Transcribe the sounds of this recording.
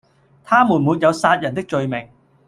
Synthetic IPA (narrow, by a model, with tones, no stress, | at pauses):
t̪ʰaː˥muː˨˩nmuː˨˧t̚jɐ˨˧wsaː˧t̚jɐ˨˩nt̪ɪ˥k̚t͡ʃɵ˧ɥmɪ˨˩ŋ